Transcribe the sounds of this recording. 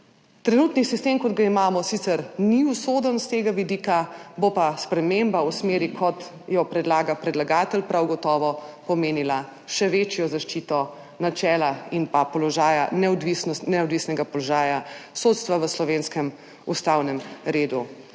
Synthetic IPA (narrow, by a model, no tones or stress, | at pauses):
t̪ɾɛnut̪nisist̪emkɔd̪ɡaimaːmɔsit̪sɛɾniusod̪ənst̪eːɡaʋid̪iːkabopaspɾɛmembausmeːɾikʰɔt̪ | jɔpɾɛd̪laːɡapɾɛd̪laɡaːt̪əlpɾʔawɡɔt̪ɔːʋɔpɔmeːnila | ʃɛʋet͡ʃjɔzaʃt͡ʃit̪ɔ | nat͡ʃɛːlainpapɔlɔʒaːjanɛɔd̪ʋisnɔsnɛɔd̪ʋisnɛɡapɔlɔʒaːjasot̪st̪ʋaʋəslɔʋenskɛm | ust̪awnɛmɾeːd̪u